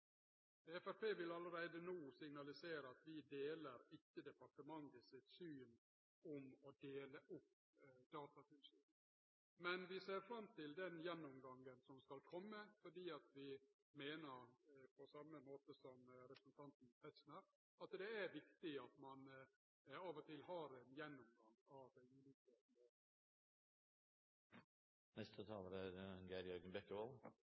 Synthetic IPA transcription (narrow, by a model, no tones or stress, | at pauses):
ɛfæɾpʰeːʋɪlɑləɾeɪd̪ənuːsɪŋnɑlɪseːɾəɑt̪ʋɪd̪eːləɾɪkːəd̪ɛpɑʈəmɑŋɡ̪əsɪt̪syːn | ɔmɔd̪eːləʔʊpː | d̪̥ɑːt̪ɑt̪ʰɪlsyː | mɛnʋɪseːɾfɾɑmt̪ʰɪld̪ɛnjɛnːʊmɡɑŋɡənsɔmskɑlkʰɔmːəfɔɖiːɑt̪ʋɪ | meːnəɾpʰɔsɑmːəmoːt̪əsɔmɾɛpɾə̥sn̩t̪ʰɑnt̪n̩ɛt̪snəɾ | ɑt̪d̪ɛæɾʋɪkt̪ɪɑt̪mɑn | ɑːʋɔt̪ʰɪlɦɑɾɛnjɛnːʊmɡɑŋːɑʋd̪ɛʉːliːkəneː | nɛst̪ʰət̪ʰɑːləɾæɾɡæːɾjœɾɡənbɛkːəʋɑl